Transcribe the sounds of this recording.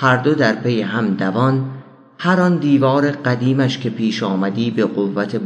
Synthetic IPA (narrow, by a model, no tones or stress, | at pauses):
hæɾd̪o̞d̪æɾpʰe̞jeɦæmd̪ævɒn | hæɾɒnd̪iːvɒːɾe̞ɢæd̪iːmæʃcʰe̞pʰiːʃɒːmæd̪iːbe̞ɢovːæt̪ʰe̞b